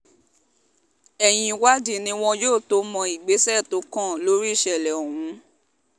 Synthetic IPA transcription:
ɛ˨j̃ĩ˧wa˦di˦˨nĩ˧w̃ɔ̃˧joː˦˨to˧˦mɔ̃˧i˨ɡ͡be˨˦sɛ˦˨to˨˦kã˦˨lo˨˦ɾi˦i˦˨ʃɛ˨lɛ˨o˨hũ˨˧˦

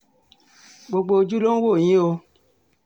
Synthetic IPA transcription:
ɡ͡bo˧ɡ͡bo˧o˧d͡ʒu˦lo˦n̩˦wo˦˨jĩ˦o˧

